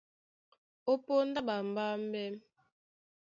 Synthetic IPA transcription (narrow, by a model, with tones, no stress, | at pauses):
o˦po˦n̩˦da˦ba˨m̩˨ba˦m̩˦bɛ˦m